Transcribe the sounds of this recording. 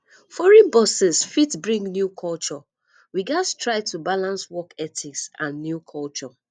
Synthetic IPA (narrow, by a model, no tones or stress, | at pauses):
fɔɹĩnbɔsɛsfitbɹĩŋɡnjukʰɔlt͡ʃɔ | wiɡastɹaɪtubalãnswɔkɛtʰiksãnːjukʰɔlt͡ʃɔ